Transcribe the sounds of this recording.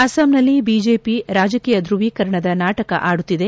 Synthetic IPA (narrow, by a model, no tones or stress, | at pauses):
ɐsɐmnɐlːibiːd͡ʒeːpiɾaːd͡ʒɐkiːjɐd̪ɾuʋiːkɐɾɐɳɐd̪ɐnaːʈɐkɐ̰ʔaːɽut̪ːid̪e̞